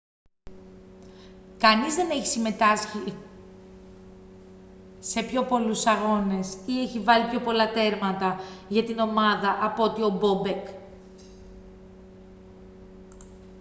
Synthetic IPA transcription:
kɐnizðe̞ne̞çi̥sime̞t̪ɐsçi | se̞pço̞po̞lusɐɣo̞ne̞sieçivɐlipço̞po̞lɐt̪e̞ɾmɐt̪ɐʝɐt̪ino̞mɐðɐʔɐpo̞t̪io̞bo̞be̞k

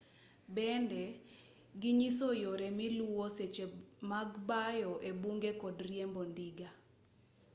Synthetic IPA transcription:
bɛndɛ | ɡɪɲisojoɾɛmɪluwoset͡ʃemaɡbajɔʔebuŋɡekɔdrjɛmbondiɡa

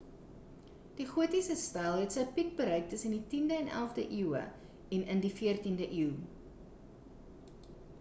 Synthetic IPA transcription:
d̥iχuətisəstɐlˠɦɛtsəjpik̚bəɾœɥk̚təsənditindəɛnæ̰lˠfdəʔiwə̰ | ɛnəndifiərtindəʔiw

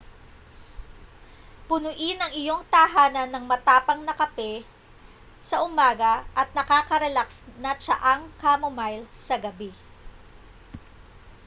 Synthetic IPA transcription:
pʊnʊʔɪnɐŋɪjo̞ŋt̪ɐɦaːnɐnːɐŋmɐt̪aːpɐŋnɐkɐpɛ | sɐʔʊmaːɡɐʔɐt̪̚nɐkaːkɐɾɛlaksnɐt͡ʃɐʔaŋkamomajlsɐɡɐbi

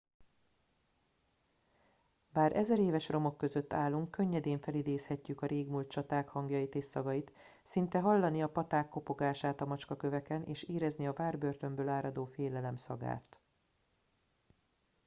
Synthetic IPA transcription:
baːɾʔɛzɛɾeːvɛʃro̞mo̞kːø̞zøt̪ːaːlːuŋkːø̞ɲːɛd̪eːɱfɛlid̪eːshɛcːykɒɾʔeːɡmult̪̚t͡ʃɒt̪aːkhɒŋɡjɒjit̪eːst̪ːɒɡɒjit̪ | sint̪ɛɦɒlːɒniɒpɒt̪aːkːo̞po̞ɡaːʃaːt̪ɒmɒt͡ʃkɒkø̞vɛkɛnʔḛːʃeːɾɛzniɒvaːrbørt̪ø̞mbøːlaːɾɒd̪oːfeːlɛlɛmsɒɡa̰ːt̪

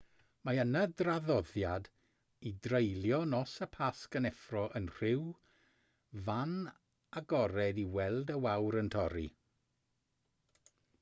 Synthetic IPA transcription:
maənədraðɔðjad | idrejlˠjɔnɔsəpʰaskənɛfrɔʔənr̥ɪw | van | aɡɔɾɛdiwɛlˠdəwawɾəntʰɔɾḭ

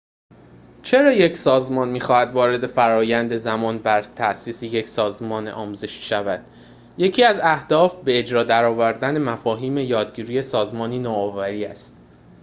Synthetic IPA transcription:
t͡ʃʰe̞ɾɒːjecʰsɒːzmɒːnmiːxɒːhæd̪vɒːɾe̞d̪e̞fæɾɒːjænd̪e̞zæmɒːnbæɾt̪ʰæsiːsije̞cʰsɒːzmɒːnʔɒːmuːze̞ʃi̥ʃævæd̪̥ | je̞cʰiːæzæhd̪̥ɒːfbe̞ːd͡ʒɾɒːd̪æɾɒːvæɾd̪æne̞mæfɒːɦiːme̞jɒːd̪ɟiːɾiːje̞sɒːzmɒːniːnɒːɒːvæɾiːæ̰st̪

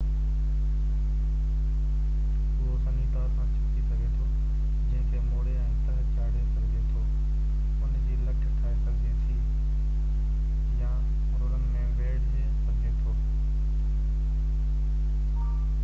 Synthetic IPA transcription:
ʊɦosɐ̃nit̪ɐɾəsãt͡ɕʰɐt̪isɐɡʱet̪ʰː | d͡ʑɐ̃ɦɪ̃kʰeːmoːɽeaːɪ̃nt̪ɐɾt͡ɕaːɽesɐɡʱet̪ʰo | ʊnd͡ʑiːlɐkʰkʰaːesɐɡʱet̪ʰiː | jã | ɾʊɾənɪ̆mẽʋeːɽd͡ʑeːsɐɡʱet̪ʰoː

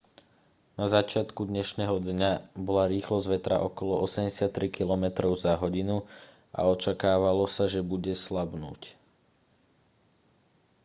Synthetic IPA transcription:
nazat͡ʃɪat̪kud̪ɲɛʃnɛːɦɔd̪ɲabɔlaɾiːxlɔzʋɛt̪ɾa̰ʔɔkɔlɔʔɔsɛmɟɛsat̪ːɾikilɔmɛt̪ɾɔʊzaɦɔɟinu | a̰ɔt͡ʃakaːʋalɔsaʒɛbuɟɛslabnṵːc

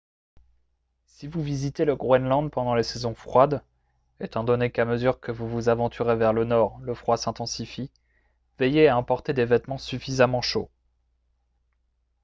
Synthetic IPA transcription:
sivuvizit̪eləɡʁwɛnlɑ̃d̪pɑ̃d̪ɑ̃lesɛzɔ̃fχwad̪ | et̪ɑ̃d̪ɔnekaməzyʁkəvuvuzavɑ̃t̪ʰyʁevɛʁlənɔʁləfχwasɛ̃t̪ɑ̃sifi | vɛjeaɑ̃pɔʁt̪ed̪evɛt̪mɑ̃syfizamɑ̃ʃo

